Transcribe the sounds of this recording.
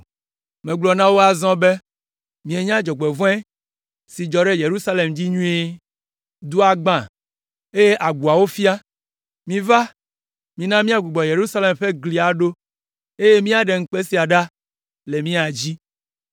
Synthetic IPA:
mẽ˨ɡ͡blɔ˨nã˦wo˦a˨zɔ̃˦be˦ | mĩ˨e˨ɲã˦d͡ʒɔ˨ɡ͡be˨vɔ̃˦ɛ˦ | si˨d͡ʒɔ˨ɖe˦je˨ɾu˦sa˦le˨md͡ʑi˦ɲũ˦e˦ | d̪u˦a˨ɡ͡bã˦˨ | e˦je˦ʔa˨ɡ͡bu˨a˨wo˦fi˦a˦ | mĩ˨va˦ | mĩ˨nã˦mĩ˦a˦ɡ͡bu˨ɡ͡bɔ˨je˨ɾu˦sa˦le˨mɸe˦ɡli˨a˨ɖo˦ | e˦je˦mĩ˦a˨ɖe˨ŋ̩˦k͡pe˦si˨a˨ɖa˦ | le˨mĩ˦a˨d͡ʑi˦

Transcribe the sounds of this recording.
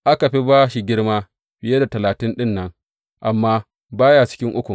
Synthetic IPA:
ʔa˦ka˨ɸi˦baː˦ʃi˦ɡʲɪ˦ɽmaː˦ | b̥ɪ˨je˦da˨tɐ˨laː˨tɪ˦nɗɪ˦nːɐ˦ŋ | ʔa˨mːaː˦ | baː˦ja˦t͡ʃɪ̥˦kʲɪ˦ŋʔʊ˦kʷu˨

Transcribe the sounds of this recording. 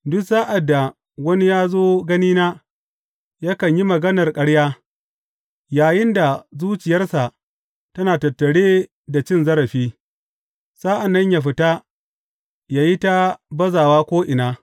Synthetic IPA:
dʊ˦ksaː˦ʔa˨dːa˨ | wɐ˦ni˦jaː˦zoː˦ɡɐ˦niː˦naː˦ | ja˦kɐ˨ɲji˦mɐ˨ɡɐ˦nɐ˨rkʼɐ˦ɽjaː˦ | jaː˨jɪ˦nda˨zuː˦t͡ʃɪ˨jɐ˦rsa˨ʔ | tɐ˦naː˨tɐ˨tːɐ˨ɽeː˦ | da˨t͡ʃɪ˦nzɐ˦ɾɐ˨ɸiː˦ | saː˦ʔa˨nːɐ˦ɲjaː˨ɸɪ˦ta˦ | jaː˨ji˦ta˦bɐ˦zaː˨waː˦kʷoː˦ʔɪ˨naː˦

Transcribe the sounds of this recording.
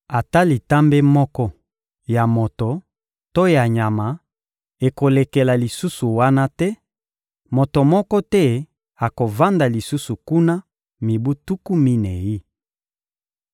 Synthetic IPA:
a˨ta˦li˨ta˦mbe˦mɔ˦kɔ˦ | ja˨mo˨to˨ | to˦ja˨ɲa˨ma˨ | e˨ko˨le˨ke˨la˨li˨su˦su˨wa˦na˦tɛ˦ | mo˨to˨mɔ˦kɔ˦tɛ˦ | a˨ko˨va˦nda˨li˨su˦su˨ku˦na˦ | mi˨bu˦tu˦ku˦mi˦nɛ˨ji˦

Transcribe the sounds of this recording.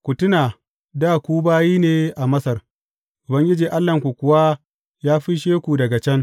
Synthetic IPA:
kʷʊ˨tʊ˦naː˨ | daː˦˨kʷuː˦baː˦jiː˦neː˨ʔa˨mɐ˦sɐ˨r | ʔʊ˨bɐ˦ŋɡʲɪ˦d͡ʒiː˨ʔa˦lːɐ˨ŋkʷu˨kʷʊ˨wa˦ | jaː˦ɸi˦ʃeː˦kʷu˨dɐ˨ɡa˨t͡ʃɐ˦ŋ

